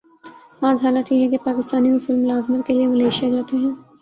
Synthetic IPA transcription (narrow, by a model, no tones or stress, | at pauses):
aːd͡ʒɦaːlət̪jeɦɛkepaːkɪst̪aːniɦʊsʊlmʊlaːzmət̪keliemɐleːʃijad͡ʒaːt̪eɦɛ̃ː